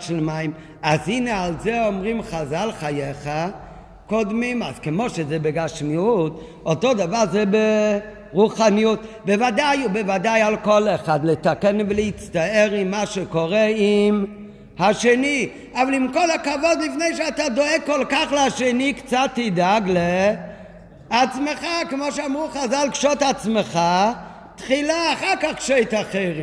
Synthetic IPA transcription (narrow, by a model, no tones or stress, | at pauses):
ʃlmaɪm | azinealˠzɛɔmʁimχazalˠχajɛχa | kɔdmimaskɪmoʃɛzɛbɪɡaʃmiut | ɔtodavazɛbe | ʁuχanijut | bɪvadajʊbɪvadajalˠkɔlˠɛχadlɛtakɛnvɪlɛit͡staɛɾɪmmaʃɛkoʁɛim | haʃeni | avalˠimkɔlakavɔdlifneɪʃeatadoɛɡ̚kːɔlˠkaχlɛaʃenikt͡satːidaɡle | at͡smeχakemoʃ̬eamʁuχazalkʃɔtat͡smeχa | tχilaːχaʁkaχkʃeɪtaχeɪʁi